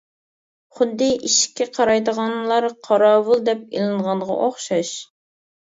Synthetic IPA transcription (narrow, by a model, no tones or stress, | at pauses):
χʊd̪ːɨʔiʃɪ̥kʲʰːɛqʰɑɾɑjd̪əʁɑnlˠɑɾqʰɑɾɑːwɨlˠd̪ɛp̚elˠɨnʁɑnʁɑ̰ʔoχʃɑʃ